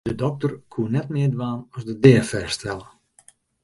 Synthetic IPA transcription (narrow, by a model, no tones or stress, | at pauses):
dədɔk̚tərkʰuənɛtmɪːdʋaːnɔsdədɛːəfɛrstʰɛlˠə